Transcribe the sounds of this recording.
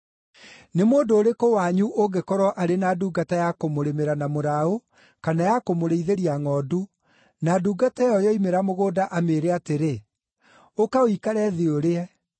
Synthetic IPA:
nemoːdoːɾekowaɲuʔoɡekɔɾɔʔaɾenaduːɡatajakomoɾemeɾanamoɾao | kanajakomoɾeiðeɾiaŋɔːdu | naduːɡatajɔjɔimeɾamoɣoːdaʔameɾɛateɾe | okaowikaɾɛðioɾeɛ

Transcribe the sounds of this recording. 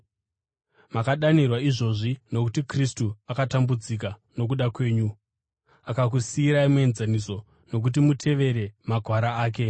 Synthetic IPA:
makaɗanirwaiʐo̞ʐino̞kutikristuakatambud͡zik̬ano̞k̬uɗakwe̞ːɲu | akak̬usiːɾaimue̞nzaniso̞ | no̞k̬ut̬imutʰe̞ʋe̞ɾe̞maɡʱwaɾaaːk̬e̞

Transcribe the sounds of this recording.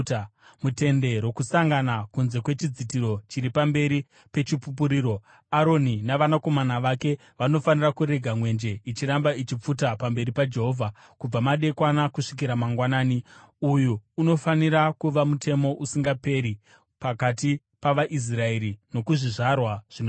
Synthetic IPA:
mute̞nde̞ɾo̞kusaŋɡanakunze̞kwe̞t͡ʃid͡zitiɾo̞t͡ʃiɾipambe̞ɾi | pe̞t͡ʃipup̬uɾiːɾo̞ | aɾo̞ninaʋanako̞manaʋake̞ | ʋano̞fanirakuɾe̞ɡʱamwe̞nd͡ʒe̞it͡ʃiɾambait͡ʃip͡futapambe̞ɾipad͡ʒe̞ɦo̞vʱa | kub͡vamaɗe̞kwanakuʂik̬iɾamaŋɡwanaːni | ujuːno̞faniɾakuʋamutʰe̞mo̞ʔusiŋɡape̞ɾi | pakati | paʋaʔis̬rae̞ɾino̞kuʐiʐarwaʐ̥in

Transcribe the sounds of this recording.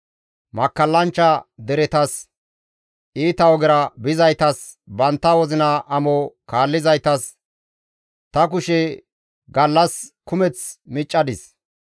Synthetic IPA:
mɐkːɐlːɐnt͡ʃːɐd̪ɛɾɛt̪ɐs | iːt̪ɐwɔɡɪɾɐbɪzɐjt̪ɐsbɐnt̪ːɐwɔzɪnɐʔɐmɔkaːlːɪzɐjt̪ɐs | t̪ɐk̬ʊʃɛ | ɡɐlːɐskʊmɛt͡smɪt͡ʃʼːɐd̪ɪs

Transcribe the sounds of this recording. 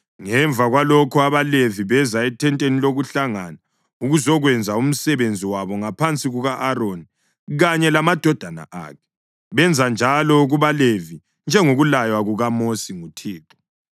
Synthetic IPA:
ŋɛɱbvʱaɣwalɔkʰuaβaleviβɛzaɛtʰɛntʼeniloɣuɬaŋana | uɣuzɔɣwɛnd͡zʱaum̩sɛβend͡zʱiwaβɔŋapʰant͡sʼiɣuɣaʔaɾoni | ɣaɲɛlamad̥ʱɔd̥ʱana̰ʔa̰ːkʰɛ̥ | βɛnd͡zʱand͡ʒʱalɔɣuβalevi | nd͡ʒʱɛŋoɣulajwaɣuɣamosiŋutʰiːǁɔ̥

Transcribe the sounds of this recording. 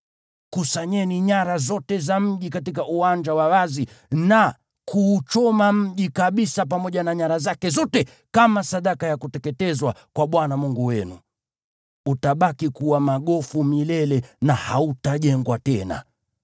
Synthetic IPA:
kusaɲɛniɲaɾazɔtɛzam̩ʄikatik̬aʔuwaɲd͡ʒawawazi | na | kʰuːt͡ʃɔmam̩ʄikaɓisapamɔʄanaɲaɾazakɛzɔtɛ | kamasaɗakajakutɛkɛtɛzwakwaɓwanamuŋɡuwɛnu | utaɓakikuwamaɠɔfumilɛlɛnahautaʄɛŋɡwatɛna̰

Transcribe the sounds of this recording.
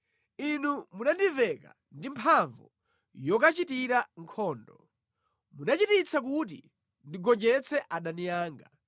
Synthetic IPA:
inumunandivɛka̰ | ndimpʰaɱvu | jɔkat͡ʃitiɾaŋkʰɔːndɔ | munat͡ʃitit͡sʰak̬ut̬ḭ | ndiɡɔɲd͡ʒɛt͡sʰɛʔaɗanijaːŋɡa

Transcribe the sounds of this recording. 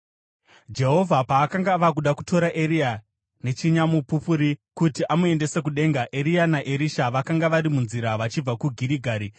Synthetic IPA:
d͡ʒe̞ɦo̞vʱapaːkaŋɡaʋakuɗaku̥to̞ɾaʔeɾia | ne̞t͡ʃiɲamupupuɾikutiʔamue̞nde̞se̞k̬uɗe̞ŋɡaʔe̞ɾianaʔe̞ɾiʃaʋakaŋɡaʋaɾimunziɾaʋat͡ʃib͡vakuɡʱiɾiɡʱaːɾi

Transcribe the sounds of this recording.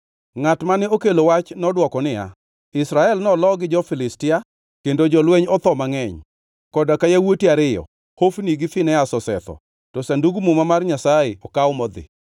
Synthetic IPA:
ŋatmanɪokelowat͡ʃnɔdwɔkɔnɪja̰ | ɪsɾaɛlnɔlɔɡɪd͡ʒɔfɪlɪstɪa | kendod͡ʒɔlweɲɔt̪ɔmaŋɛɲ | kɔdakajawotiaɾɪjɔ̰ | hofniɡɪfɪnɛasɔsɛ̰t̪ɔ̰ | tɔsanduɡmumamarɲasaɪɔkawmɔd̪ɪ̰

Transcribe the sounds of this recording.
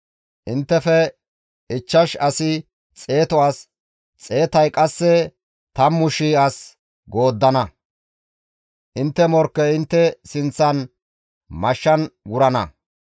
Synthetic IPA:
ʔɪnt̪ːɛfɛ | ɪt͡ʃːɐʃɐsɪ | t͡sʼe̞ːt̪ɔaːs | t͡sʼe̞ːt̪ɐjkʼɐsːɛ | t̪ɐmːʊʃiɐs | ɡo̞ːd̪ːɐnɐ | ʔɪnt̪ːɛmɔɾkːɛɪnt̪ːɛsɪnt͡sːɐn | mɐʃːɐnɡʊɾɐnɐ

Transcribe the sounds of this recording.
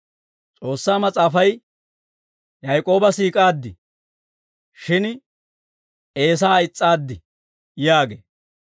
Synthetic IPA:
t͡sʼo̞ːsːaːmɐt͡sʼaːfɐj | jɐjkʼo̞ːbɐsiːkʼaːd̪ːɪ | ʃɪn | e̞ːs̬aːɪt͡sʼːaːd̪ːɪ | jaːɡeː

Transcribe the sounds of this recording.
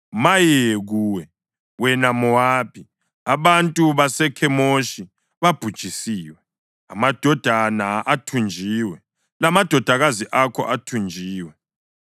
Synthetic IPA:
majeɣuːwɛ | wɛnamɔwaːpʰi | aβantʼuβasɛkʰɛmoʃi | βab̥ʱud̥ʒ̥ʱisiːwɛ | amad̥ʱɔd̥ʱanaatʰund͡ʒʱiːwɛ | lamad̥ʱɔd̥ʱaɣaziʔakʰɔ̰ʔatʰund͡ʒʱiːwɛ

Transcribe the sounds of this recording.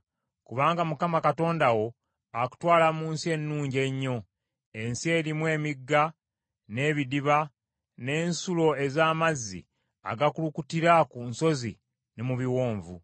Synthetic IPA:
kuβaːŋɡamukamakato̞ːndawo̞ | aku̥twaːlamuːnsie̞nːuːɲɟe̞ɲːo̞ | e̞nsie̞ːɾimwe̞ːmiɡːa | ne̞ːβidiβa | ne̞ːnsulo̞e̞zaːmazːḭ | a̰ɡakulukutiɾakunso̞zḭ | nemuβiwo̞ːɱvṵ

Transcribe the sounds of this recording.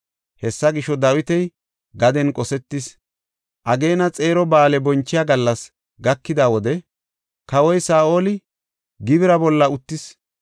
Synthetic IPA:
hɛsːɐɡɪʃɔd̪ɐwɪt̪ɛj | ɡɐd̪ɛnkʼɔsɛt̪ːɪs | ʔɐɡe̞ːnɐt͡sʼe̞ːɾɔbaːlɛbɔnt͡ʃːɪjaːɡɐlːɐs | ɡɐkːɪd̪aːwɔd̪ɛ | kɐwɔjsaːoːlɪ | ɡɪβɪɾɐbɔlːɐʊt̪ːɪs

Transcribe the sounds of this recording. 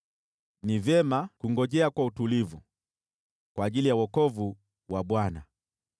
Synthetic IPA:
nivɛmakuŋɡɔʄɛakwautulivu | kwaːʄilijawɔkɔvu | waɓwana

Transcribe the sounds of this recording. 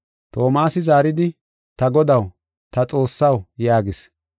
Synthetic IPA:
t̪o̞ːmaːsɪzaːɾɪd̪ɪ | t̪ɐɡɔd̪ɐw | t̪ɐt͡sʼo̞ːsːɐwjaːɡɪs

